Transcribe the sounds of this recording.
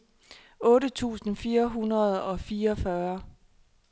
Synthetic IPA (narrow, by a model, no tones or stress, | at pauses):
ɔ̽ːɾət͡sʰṵːsn̩fiːɐɦunɐð̞̩ˠɒ̽fiːɐɒfɶɐ